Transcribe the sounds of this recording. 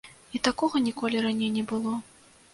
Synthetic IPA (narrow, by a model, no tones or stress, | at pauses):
it̪akɔɣɐnʲikɔlʲiɾanʲejnʲɛbɨlˠɔ